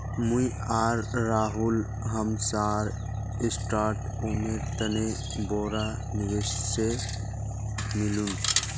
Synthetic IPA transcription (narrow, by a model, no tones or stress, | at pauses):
mũi | aːɾːaːɦʊl | ɦəmsaːɾ | ɪsʈaːɾʈ | omeɾt̪əne | boːɾa | nɪʋes | se | mɪlun